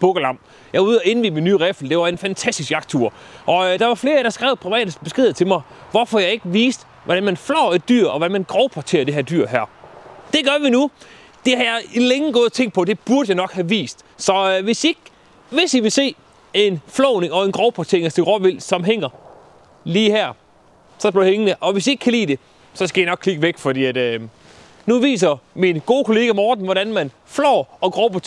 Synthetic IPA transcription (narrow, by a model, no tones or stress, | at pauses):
b̥ɔ̽ɡ̥əlɑ̈m̰̥ | jɑ̈uð̰ˠɒe̝nʋiːminːyːʁefl̩d̥e̝ʋɑ̈e̝nfænt͡sʰæsd̥isɡ̥ɑ̈ɡ̥̚t͡sʰuɐ̰ | ʔɒ̽d̥ɑ̈ʋɑ̈fle̝ːɐɾɑ̈sɡ̥ʁɛ̰ʊpʰʁiʋɛ̰ːd̥əsb̥esɡ̥e̝ðˠt͡sʰe̝lmɑ̈ɪ | ʋɒfɒ̽jɑ̈ɪe̝ɡ̥əʋiːsd̥ | ʋɒd̥ænmænflɒʊ̰e̝d̚d̥y̰ɐ̰ɒ̽ʋɒdænmænɡ̥ʁɒʊpʰɒt͡sʰe̝̰ːɐd̥e̝ɦæɐ̰d̥y̰ɐ̰ɦæɐ̰d̥e̝ɡ̥ɶɐʋinu | d̥e̝hɑ̈jɑ̈ɪileŋəɡ̥ɔ̽ːðˠt͡sʰeŋ̰ɡ̥̚pʰɒ̽d̥e̝b̥uɐd̥əjɑ̈ɪnɒ̽ɡ̥hæʋḭːsd̥sɒ̽ʋe̝sd̥ie̝ɡ̥ | ʋe̝siʋe̝lse̝̰ː | e̝nflɔʊne̝ŋɒ̽e̝nɡ̥ʁɒʊpʰɒt͡sʰe̝ɐŋæsd̥eɡ̥ʁɒʋel̰sɒ̽mɦeŋ̰ɐ | liːhæɐ̰ | sɒ̽b̥iheŋənəʔɒ̽ʋe̝sie̝ɡ̥̚kʰælḭːd̥e̝ | sɒ̽sɡ̥æjɑnɒ̽ɡ̥kʰliɡ̥əʋeɡ̥fɒ̽d̥ḭːæd̥ø | nuʋḭːs̬ɐminɡ̥o̝ːkʰo̝le̝ːɡ̥æmɒːd̥n̩ʋɒɾænmæn | flɒːɒ̽ɡ̥ʁɒʊpʰɒt͡sʰ